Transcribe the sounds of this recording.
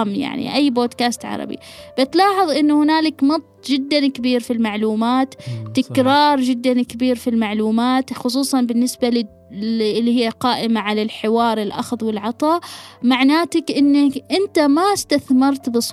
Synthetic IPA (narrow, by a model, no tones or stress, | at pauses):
mja̰ʕnḭʔajːboːd̪kaːst̪ʕɑ̰ɾˤɑ̰bḭ | b̥ɪt̪lɑːħɑðˤʔɪnːuhɪnaːlɪkmɑt̪ˤːd͡ʒɪd̪ːankabiːɾfilmaʕluːmaːt̪ːɪkɾɑːɾˤd͡ʒɪd̪ːankɪbiːɾfilmaʕluːmaːt̪xʊs̬ˤuːsˤɑnbɪnːɪsbalɪ | ʔɪlːihɪjːaqɑːʔɪmaʕalalħɪwɑːɾˤɪlʔɑ̰xðˤwɪlʕɑt̪ˤɑːmaʕnaːt̪akʔɪnːakʔɪnt̪amast̪aθmɑɾˤt̪bɨsˤ